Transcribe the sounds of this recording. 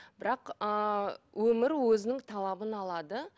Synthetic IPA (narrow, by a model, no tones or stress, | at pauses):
b̥ɪɾɑqəwɵmɪɾwɵzɪnɪŋt̪ʰɑlˠɑbənɑlˠɑd̪ə